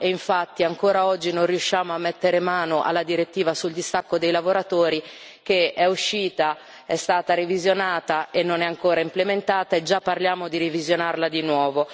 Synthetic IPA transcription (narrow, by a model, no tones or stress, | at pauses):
eiɱfat̪ːiaŋkoːɾaɔd͡ʒːinõnriuʃːaːmoamːet̪ːeɾemaːnoʔa̰lːad̪iɾet̪ːiːvasuld̪ist̪akːod̪ejlavoɾat̪oːɾi | k̟eɛuʃːiːt̪a | ɛst̪aːt̪aɾevizjonaːt̪aenːonɛaŋkoːɾaimplement̪aːt̪aed͡ʒapːarljaːmod̪iɾivizjonarlad̪inwɔːvo